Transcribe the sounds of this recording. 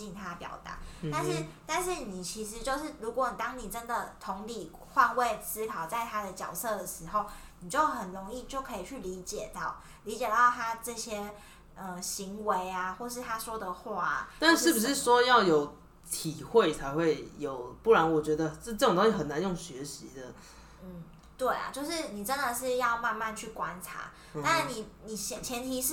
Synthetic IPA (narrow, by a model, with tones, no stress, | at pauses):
i˥˩nt̪ʰa˥pjɑ̰˨˩ʊt̪a̰˧˦t̪a˥˧nʂɻ̩˥˩t̪a˥˧nʂɻ̩˥˩ni˨˩t͡ɕʰi˧˥ʂɻ̩˧˥t͡ɕjo˥˧ʊʂɻ̩˥˩ɻu˧˥kwɔ˨˩˦ni˨˩t̪ɑ˥ŋni˨˩ʈ͡ʂə˦˥nd̪ə˨˩t̪ʰʊ˧˥ŋli˨˩ | xwa˥˧nwe˥˧ɪsɹ̩˥kʰɑ˨˩ʊt͡sa˥˩ɪt̪ʰa˥d̪ə˨t͡ɕjɑ˨˩ʊsɤ˥˩d̪ə˩ʂɻ̩˧˥xo˥˩ʊni˨˩t͡ɕjo˥˧ʊxə˨˩nɻo˧˥ŋi˥˧t͡ɕjo˥˩ʊkʰɤ˧˥i˨˩t͡ɕʰy˥˩li˧˥t͡ɕjɛ˨˩t̪ɑ˥˩ʊ | li˧˥t͡ɕjɛ˨˩t̪ɑ˥˩ʊt̪ʰa˥ʈ͡ʂɤ˥˩ɕjɛ˥ | ə˥˧ɕi˧˥ŋwe˧˦ɪa˧xwɔ˥˧ʂɻ̩˥˩t̪ʰa˥swɔ˥d̪ə˨xwa̰˥˩t̪a˥˧nʂɻ̩˥˩bu˩ʂɻ̩˥˩ʂwɔ˥jɑ˥˩ʊjo˨˩ʊ | t̪ʰi˨˩xwe˥˩ɪt͡sʰa˧˥ɪxwe˥˩ɪjo˨˩ʊpu˥˩ɻa˧˦nwɔ˨˩t͡ɕɥɛ˧˥d̪ə˧˥˧ʈ͡ʂɤ˥˩o˨ŋt̪o˥ŋ˥ɕi˥xə˨˩na˧˥njo˥˩ŋɕɥɛ˧˥ɕi˧˦d̪ə˨ | n̩˥˩ | t̪we˥˩ɪa̰˨˩t͡ɕjo˥˧ʊʂɻ̩˥˩ni˨˩ʈ͡ʂə˦nd̪ə˨ʂɻ̩˥˧jɑ˥˧ʊma˥˧nma˥˧nt͡ɕʰy˥˩kwa˦nʈ͡ʂʰa̰˧˥˦ | na˥˩ni˨˩ni˨˩ɕjɛ˨˩t͡ɕʰjɛ˧˥nt̪ʰi˧˥ʂɻ̩˥˩